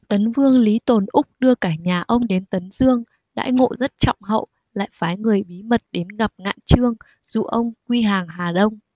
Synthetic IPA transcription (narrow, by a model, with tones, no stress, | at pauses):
t̪ə˨˦nvɨ˧əŋli˨˦t̪o˨˩nʔʊ˦˥k͡p̚ɗɨ˧əkaː˧˩ɲaː˨˩ʔə˧wŋ͡mɗe˨˦nt̪ə˨˦nzɨ˧əŋ | ɗa̰ː˧˥ŋo̰˧˨zə˦˥t̚t͡ɕɔ̰˧˨wŋ͡mɦə̰˧˨w | la̰ː˧˨jfaː˨˦jŋɨ˨˩əjɓi˨˦mə˨˩t̚ɗe˨˦nɣa˨˩p̚ŋa̰ː˧˨jt͡ɕɨ˧əŋ | z̥ṵ˧˨ʔə˧wŋ͡mkwi˧ɦaː˨˩ŋɦaː˨˩ɗə˧wŋ͡m